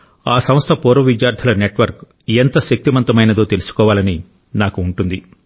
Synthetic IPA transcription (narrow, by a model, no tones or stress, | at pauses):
aːsɐmst̪ʰɐpɔːɾʋɐʋidjaːɾt̪ʰɐlɐneʈʋɐɾk | ent̪ɐʃɐk̚t̪imɐnt̪ɐmɐjnɐd̪o̞ːt̪elusu̥kɔːʋaːlɐni | naːkuːɳʈund̪i